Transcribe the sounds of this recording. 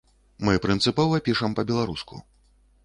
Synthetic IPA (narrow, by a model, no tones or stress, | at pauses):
mɨpɾɨnt̪sɨpɔvɐpʲiʂɐmpɐbʲɛlˠaɾuskṵ